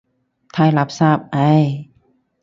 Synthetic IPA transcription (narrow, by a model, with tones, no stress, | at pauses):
t̪ʰa˧˩jla˧˦˥p̚saː˥˩p̚ʔa˧˥˩j